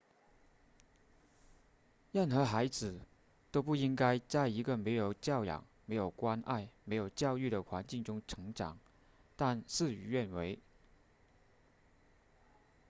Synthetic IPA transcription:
ja˥˩nxɤ˧˥xa˧˥ɪd͡zɹ̩˨˩˦ | t̪o˥ʊpu˥˩i˥ŋka˥ɪt͡sa˥˩ɪi˧˥ɡə˨me˧˥ɪjo˨˩ʊt͡ɕjɑ˥˩ʊjɑ̰˨˩ŋ | me˧˥ɪjo˨˩ʊkwa˥nʔa̰˥˩ɪme˧˥ɪjo˨˩ʊt͡ɕjɑ˥˧ʊy˥˩ɾə˩xwa˧˥nt͡ɕi˥˩ŋʈ͡ʂʊ˥ŋʈ͡ʂʰɤ˧˥ŋʈ͡ʂɑ̰˨˩˦ŋ | t̪a˥˧nʂɹ̩˥˩y˧˥ɥɛ˥˩nwe˧˥ɪ

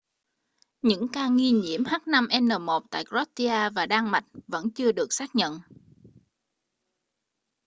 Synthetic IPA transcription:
ɲɨ̰˧˥ŋkaː˧ŋi˧ɲḭ˧˩əmhaː˦˥k̚na˧mʔɛ˧nːəː˨˩mo˨˩t̚t̪a̰ː˧˨jkzɔ˦˥t̚ti˧aː˧vaː˨˩ɗaː˧ŋma˨˩jt̚və̰˧˥nt͡ɕɨ˧əɗɨ˨˩ək̚saː˦˥k̚ɲə̰˧˨n

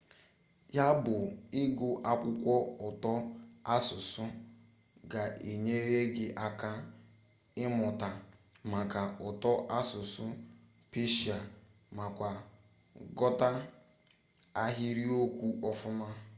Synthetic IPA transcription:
ja˦bʊ˨ɪ˦ɡʊ˨ʔa˦kʷʊ˦kʷɔ˦ʊ˨tɔ˦a˦sʊ˨sʊ˦ | ɡa˨ʔe˨ɲe˦ɾe˦ɡɪ˦ʔa˦ka˦ | ɪ˦mʊ˨ta˨ | ma˨ka˨ʊ˨tɔ˦ʔa˦sʊ˨sʊ˦ | pe˦ʃi˨a˨ | ma˨kʷa˨ | ɡɔ˦ta˦ | a˦ɦi˦ɾi˦o˦kʷu˦ʔɔ˦fʊ˦ma˦

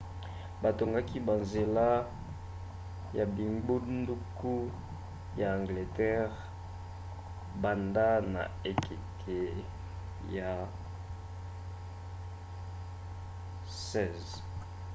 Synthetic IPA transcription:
ba˨to˨ŋɡa˦ki˦ba˨nze˨la˦ | ja˨bi˨ŋɡ͡bu˦ndu˦ku˦ | ja˨ã˨ŋɡle˨tɛ˦ʁ | ba˨nda˦na̰˨e˨kʰi˨tʰe˨ | ja˨ | sɛ˦˨z

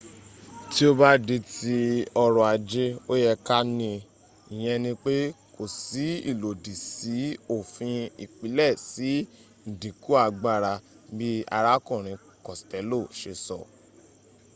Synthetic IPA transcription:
ti˦o˦ba˦de˧ti˧ɔ˧ɾɔ˨a˨˧d͡ʒe˦o˦jɛ˧ka˦nĩ˧ | i˨j̃ɛ̃˧nĩ˧k͡pe˦ | ko˨si˨˦ḭ˦˨lo˨di˨si˨˦o˦˨fĩ˧i˨k͡pi˨˦lɛ˦˨si˨˦ | n̩˨dĩ˨ku˨˦a˧˨ɡ͡ba˦˨ɾa˧ | bi˦a̰˧ɾa˦kũ˦˨ɾ̃ĩ˨˧ | kɔ˨stɛ˨˦lo˦˨ʃe˧sɔ̰˨

